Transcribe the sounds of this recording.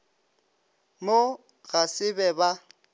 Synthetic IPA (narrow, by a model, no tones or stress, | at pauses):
mo | ɣasɪbɛba